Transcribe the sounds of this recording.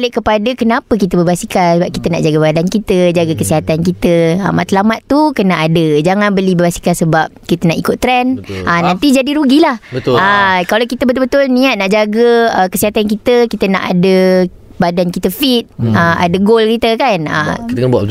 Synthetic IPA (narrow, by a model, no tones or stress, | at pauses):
leʔkəpadəkənãpək̬it̪əbəbasikasəbap̚kit̪ənaʔd͡ʒaɡəbadankit̪əd͡ʒaɡəkəsiɦat̪ankit̪əə̰ma̰t̪əlamat̪ːukənaʔadəd͡ʒaŋãnbəlibəbasi̥kansəbap̚kit̪ənaʔikʊt̪ːɾɛnʔənãnt̪id͡ʒadiɾuɡilahbəəkalawkit̪əbət̪ʊlbət̪ʊlnĩat̪̚naʔd͡ʒaɡəəkəsiɦat̪ankit̪əkit̪əna̰ʔa̰də | badankit̪əfit̪̚əa̰dəɡolkit̪əkanə̰əbua̰